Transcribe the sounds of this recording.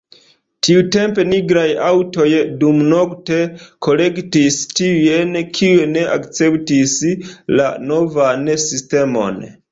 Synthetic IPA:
tiute̞mpe̞niɡɾajawto̞jdumno̞kte̞ko̞le̞ktistiujenkʰiene̞ʔa̰kt͡se̞ptisla̰no̞vansiste̞mo̞̰n

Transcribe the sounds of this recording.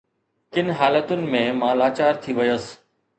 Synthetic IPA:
kɪnɦaːlət̪ʊnɪ̆mẽːmãːlaːt͡ɕaːɾt̪ʰiʋɐjəs

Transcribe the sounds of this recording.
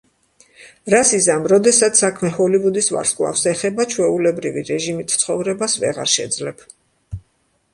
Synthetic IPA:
ɾasizamɾɔd̪ɛsat̪ssakʰmɛhɔlivud̪isva̰ɾskʼlˠa̰fsɛχɛbat͡ʃʰwɛulɛbɾiviɾɛʒimit̪ʰt̪sʰχɔvɾɛbasvɛʁa̰ɾʃɛ̰d̪zlɛb̥

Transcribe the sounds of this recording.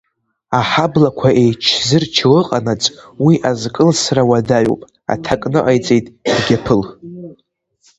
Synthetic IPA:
aħablakʷʰaʔe̞jt͡ʃʰzɨrt͡ʃʰɨɣɨqʼanat͡sʼwiʔazkʼɨlsrawadaɥo̰pʼ | a̰tʰakʼnɨʔajt͡sʼejtʼrɡʲapʰɨl

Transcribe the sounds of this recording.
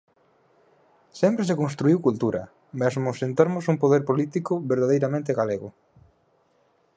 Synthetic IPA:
sɛmpɾesekõnst̪ɾuiwkult̪uɾʔɐ̰ | masmʊsent̪oɾmʊsumpoðeɾpolit̪ikʊβeɾðaðejɾamẽnt̪eɣaleɣʊ

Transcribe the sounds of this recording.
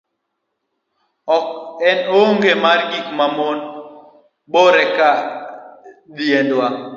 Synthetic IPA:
ɔkɛnoŋɡemarɡikmamon | boɾɛka | d̪jendwa

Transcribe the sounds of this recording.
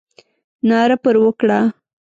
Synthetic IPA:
nɑɾapəɾwəkɽa

